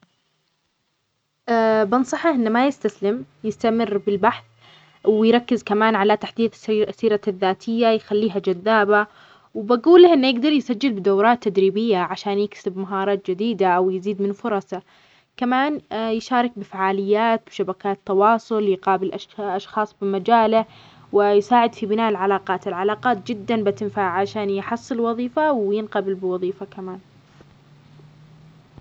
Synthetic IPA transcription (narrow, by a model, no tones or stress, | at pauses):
ʔabɑnsˤɑħɑʔɪnːamajɪst̪aslɪm | jɪst̪amɪrːbɪlbaħθ | wɪjɾˤɑkːɪzkamaːnʕalat̪aħd̪iːd̪sːiːɾaðːaːt̪ʰɪjːajxalːiːɦad͡ʒaðːaːba | wɪbaɡuːlːahʔɪnːjɪɡd̪ɑɾˤjsad͡ʒːɪlbɪd̪awɾˤɑːt̪ːad̪ɾiːbɪjːaʕaʃaːnjɪksɪbmaɦɑːɾˤɑːt̪̚d͡ʒɪd̪iːd̪aʔawjɪziːd̪mɪnfʊɾˤɑsɑ | kamaːnjɪʃɑːɾˤɑk̚bɪfaʕaːlɪjːaːt̪̚bɪʃabakaːt̪ːɑwɑːsˤʊljqɑːbɪlʔaʃʔɑʃxɑːsˤbɪmad͡ʒaːla | wɪjsaːʕɪd̪fibɪnaːʔɪlʕalaːqɑːt̪ɪlʕalaːqɑːt̪̚d͡ʒɪd̪ːanbat̪ɪnfaːʕʕaʃaːnjħɑsˤːɨlwɑðˤiːfawjɪnqɑbɪlbɪwɑðˤiːfakamaːn